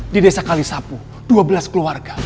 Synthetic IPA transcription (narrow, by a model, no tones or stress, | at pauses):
didesakalisapu | d̥uabəlaskəluarɡa